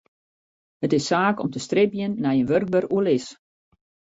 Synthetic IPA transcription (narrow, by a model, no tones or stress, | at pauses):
hətɪsːaːkɔmtəstrɪpjənːɛjənʋørk̚bəruəlɪs